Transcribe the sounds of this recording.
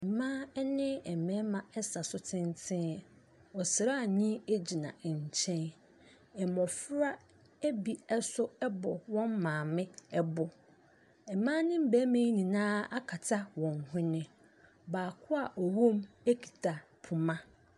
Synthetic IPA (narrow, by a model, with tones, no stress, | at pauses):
m̩˨mã˦ɛ˦nɪ̃˦ɛ˨mɛ̃˦mã˨ɛ˦sa˨sʊ˦tʰɪ̃˦ntʰɪ̃˦˨ | ɔ˨sɪ˨ɾa˦˨ɲĩ˦e˦d͡ʑi˨nã̰˨ɲ̩˨t͡ɕʰɛ̃˦n | ɛ˨mɔ̃˨fʊ˦ɾa˦ | æ˦bi˨ɛ˦sʊ˦ɛ˦bɔ˨wɔ̃˦mmãː˨mɪ̃˦ɛ˦bʊ˨ | ɛ˨mã˦nɪ̃˦m̩˦bæ˦mẽ˦nĩ˨nãː˦a˦kʰa˨tʰa˦wɔ̃˨nhʊ̃˦nɪ̃˨ | baː˨kʰʊ˦a˨ʔɔ˨wõ˦m | e˦kʰi̥˨tʰa˨ | pʰʊ˨mã˦